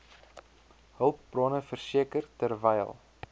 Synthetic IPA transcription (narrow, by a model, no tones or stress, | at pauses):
həlˠp̚brɑːnəfərsiəkərtərvɛj̰lˠ